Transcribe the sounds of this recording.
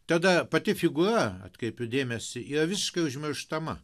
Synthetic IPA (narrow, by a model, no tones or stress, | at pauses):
t̪ɐd̪ɐpɐt̪ʲɪfʲɪɡʊrɐɐ̰t̪kɾʲɛɪpʲʊd̪ʲeːmʲɛsʲɪʔiːrɐʋʲɪsʲɪ̥ʃkɐɪʊʒʲmʲɪɾʃt̪ɐmɐ